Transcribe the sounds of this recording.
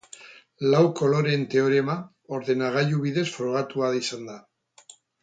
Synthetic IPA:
lawko̞lo̞ɾe̞nt̪e̞o̞ɾe̞ma | o̞ɾðe̞naɣ̞ajuβiðe̞sfɾo̞ɣ̞at̪uaðisand̪a

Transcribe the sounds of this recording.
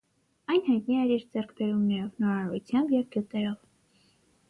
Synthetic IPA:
ɑjnɦɑjt̪niɛɾiɾd͡zɛrkʰbɛɾumnɛɾɔvnɔɾɑɾṵt͡sʰjɑmbjɛvɡjut̪ɛɾɔv

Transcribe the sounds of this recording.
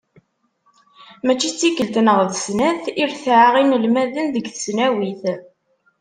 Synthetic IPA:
mæt͡ʃːit͡sːikːəlt̪nəʁðəsnæθiɾθʕaʁinəlmæðənðəɡθə̥snæwiθ

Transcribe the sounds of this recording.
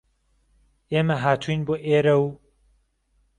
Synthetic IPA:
eːmɐɦaːt̪ʰuinboːʔeːɾɐw

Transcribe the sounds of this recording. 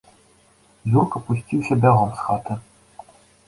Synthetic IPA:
zʲurkɐpusʲt͡sʲiwsʲɐbʲaɣɔmsxat̪ɨ

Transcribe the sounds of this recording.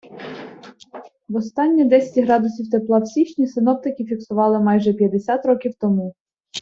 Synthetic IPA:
wɔst̪ɑnʲːid̪ɛsʲɐ̥tʲɦɾɑd̪ʊsʲiwt̪eplˠɑwsʲit͡ʃnʲisɪnɔp̚t̪ɪkɪfʲiksʊʋɑlˠɪmɑjʒɛpʲjɐd̪esʲat̪ɾɔkʲiwt̪ɔmu

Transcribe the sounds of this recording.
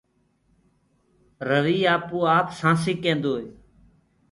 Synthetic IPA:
ɾəʋiːaːpoːaːpsãːsiːkẽːnd̪oːeː

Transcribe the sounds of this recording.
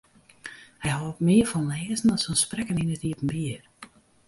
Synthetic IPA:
hɛjhɔtmɪərfɔnlɛːəsn̩ɔsɔnsprɛkəninətiəpən̩biər

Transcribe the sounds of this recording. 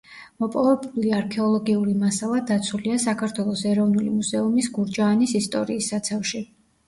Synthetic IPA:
mɔpʼɔvɛbliaɾkʰɛɔlˠɔɡiuɾimasalˠad̪at̪sʰuliasakʰaɾt̪ʰwɛlˠɔsɛɾɔvnulḭmuzɛumisɡuɾd͡ʒaːnisist̪ʼɔ̰ɾiːsːat̪sʰafʃi

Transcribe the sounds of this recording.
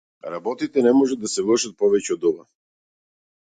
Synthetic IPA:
ɾabɔt̪it̪ɛnɛmɔʒad̪ːasɛvlˠəʃat̪̚pɔvɛcɛɔd̪ɔva̰

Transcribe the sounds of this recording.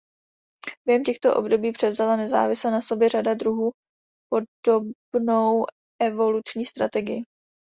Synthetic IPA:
b̥jɛɦɛmcɛxt̪o̞ʔo̞̰bdo̞biːpr̝̥ɛvzalanɛza̰ːvɪslanaso̞bjɛradadɾuɦuː | po̞do̞bno̞w | ʔɛvo̞lut͡ʃɲiːst̪ɾat̪ɛɡɪjɪ

